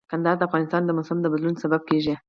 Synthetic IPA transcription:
kand̪ɑd̪əafɣɑnɪst̪ɑnd̪əmʊsamd̪əbad̪lunsabab̚keʒi

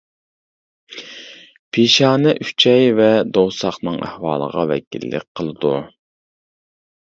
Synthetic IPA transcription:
pʰeʃɑːnɛʔyt͡ʃʰɛjvɛd̪owsɑχnɨŋæ̰hwɑːlˠə̰ʁɑvɛ̰kʲḭlːɪ̰k̚ʲqʰəlˠɨd̪u

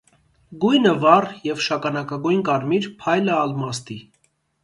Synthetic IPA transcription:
ɡujnəvɑrjɛvʃɑkɑnɑkɑɡujnkɑɾmiɾpʰɑjləɑlmɑst̪i

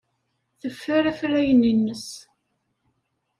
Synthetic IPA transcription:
θəfːæɾæfɾæjəninːəs

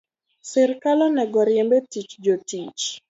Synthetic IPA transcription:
sɪɾkalɔnɛɡɔɾjɛmbetit͡ʃd͡ʒotit͡ʃ

